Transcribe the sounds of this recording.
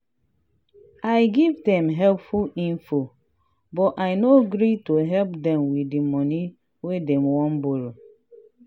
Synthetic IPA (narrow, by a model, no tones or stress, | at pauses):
ajɡivdɛ̃mɦɛlpfulĩnfo | bɔajnoɡɾitoɦɛlpdɛ̃mwidimɔni | wedɛ̃mwɔ̃nboɾo